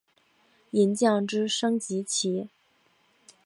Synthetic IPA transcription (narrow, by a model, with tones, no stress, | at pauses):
i˧˥nt͡ɕjɑ˥˩ŋʈ͡ʂɻ̩˥ʂɤ˥ŋt͡ɕi˧˥t͡ɕʰi˧˥